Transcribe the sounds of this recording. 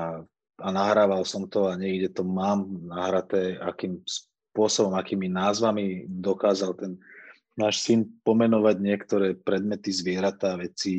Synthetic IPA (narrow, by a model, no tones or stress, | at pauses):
a | anaɦɾaːʋalsɔmt̪ɔaɲɛɡɟɛt̪ɔmaːmnaɦɾat̪ɛːakiːms | pʊɔsɔbɔmakiːminaːzʋamid̪ɔkaːzalt̪ɛn | naːʃsinpɔmɛnɔʋaɟɲɪɛkt̪ɔɾɛːpɾɛd̪mɛt̪izʋɪɛɾat̪aːʋɛt͡si